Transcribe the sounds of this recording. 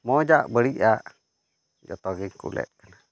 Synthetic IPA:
mɔd͡ʒaʔbəɾiʔaʔ | d͡ʒɔ̰t̪ɔɡiŋkṵlɛ̰t̪̚kəna

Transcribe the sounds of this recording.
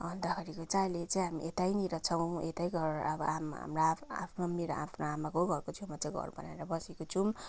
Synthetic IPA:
ʌnd̪akaɾikot͡sajlet͡saĩɦamḭʔet̪ajniɾʌt͡sʰʌw̃et̪ajɡʌɾʌbʌamɦa̰mɾaa̰pʰnomeɾaʔa̰pʰnoamakoɡʱʌrkot͡sʰumat͡saj̃ɡʱʌ̰ɾubʌ̰naeɾʌbʌsikot͡sʰum

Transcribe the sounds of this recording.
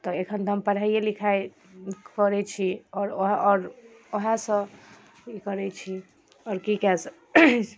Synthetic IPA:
t̪ɔekʰənt̪mpəɽ̤ɦaijelikʰae | kɔɾɛt͡ʃʰiɔːɾoɦɔɾoɦãsə̃ | ikəɾɛt͡ʃʰi | ɔːɾkikɛs

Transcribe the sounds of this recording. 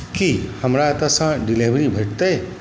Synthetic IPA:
kihɐmɾaet̪asãɖileʋɾibʱɐʈ̚t̪e

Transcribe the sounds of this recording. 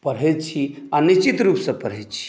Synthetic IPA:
pəɽɦɛt͡ʃʰianit͡ʃit̪ɾupsə̃pəɾɦɛt͡ʃʰi̥

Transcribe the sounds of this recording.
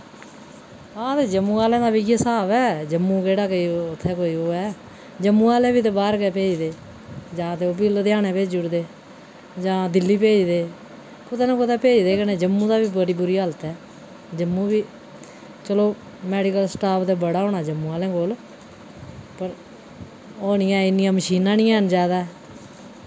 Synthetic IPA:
aːt̪eːd͡ʒəmːuːaːlɛ̃ːd̪aːbiːɡsaːbɛːd͡ʒəmːũːkeːɽaːkəiːʊt̪ʰːɛːkoːiːoːɛː | d͡ʒəmːũːaːlẽːbiːt̪eːbaːɾkɛːpeːd͡ʒd̪eː | d͡ʒãːt̪eːoːp̬ild̪eːaːnẽːpeːd͡ʒʊɽd̪eː | d͡ʒãːd̪ɪlːiːpeːd͡ʒd̪eː | ʊt̪aːnãːkoːt̪aːpeːd͡ʒd̪eːkənẽːd͡ʒəmːũːd̪aːʋiːbəɽiːbʊɾiːɦələt̪ɛː | d͡ʒəmːũːbiː | t͡ʃəloː | mɛːɖɪkəlsʈaːpʰd̪eːbəɽaːɦõːnaːd͡ʒəmːũːaːlẽːkoːl | pəɾ | oːnijãːɪnːɪjãːməʃiːnãːnĩːãːnd͡ʒaːd̪aː

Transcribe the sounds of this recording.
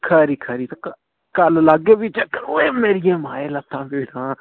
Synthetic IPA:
kʰəːɾiːkʰəɾiːt̪ːk | kəllaɡeːʋit͡ʃəkəɾoeːmeːɾɪjãːmaːeːlət̪ʰːãːbeːɽãː

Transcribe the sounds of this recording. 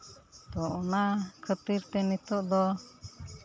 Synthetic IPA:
t̪ɔɔnakʰət̪iɾt̪ɛnit̪ɔʔd̪ɔ

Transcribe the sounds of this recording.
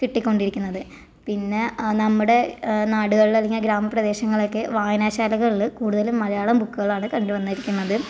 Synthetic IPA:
kiʈːikʲːo̞ɳɖiɾikʲːunːɐðɨ | pinːe̞nɐmːuɽe̞naːɽuɣɐɭilɐliŋɡiɐɡɾaːmɐprɐd̪e̞ːɕɐŋːɐɭo̞kːe̞ʋaːjɐnaːɕaːlɐɣɐɭiɭkuːɽuðɐlummːɐlɐjaːɭɐmbukːuɣɐɭaːɳɨkɐɳɖuʋɐnːiɾikʲːunːɐðɨ

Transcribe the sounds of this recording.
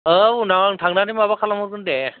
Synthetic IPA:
ɯunaŋtʰaŋnanimabakʰalamɯwzɯnde

